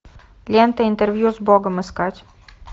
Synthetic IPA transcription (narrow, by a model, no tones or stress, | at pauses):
lʲent̪ɐint̪eɾvjuzbɔɡɐmɨskatʲ